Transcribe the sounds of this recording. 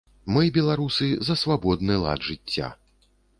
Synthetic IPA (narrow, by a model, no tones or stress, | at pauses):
mɨbʲɛlˠaɾusɨzɐsvabɔd̪nɨlˠa̰d̪ʐɨt͡st͡sʲːa̰